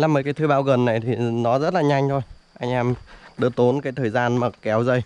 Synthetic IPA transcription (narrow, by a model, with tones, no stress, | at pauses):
laː˧˨˩mo˨˩kaː˨˦jt̪ʰɨ˧ɓaː˧˩wɣə˨˩nːa˨˩jt̪ʰi˨˩nɔ˨˦zə˦˥t̚laː˨˩ɲa˧jŋ̟t̪ʰo˧jʔa˧jŋ̟ʔɛ˧mɗɨ˨˧˦ət̪o˨˦nkaː˨˦jt̪ʰəː˨˩jzaː˧nmaː˨˩kɛ˨˦wzə˧j